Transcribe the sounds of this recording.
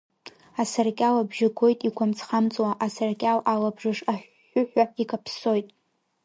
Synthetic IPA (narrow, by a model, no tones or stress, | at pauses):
asarkʲʼalabʒɪɡʷʰo̞jtʼikʷʰamt͡sʰχamt͡sʼwaʔasarkʲʼawalabʐɨʂaħʷ | ʊħʷᶣaikʼapʰso̞jtʼ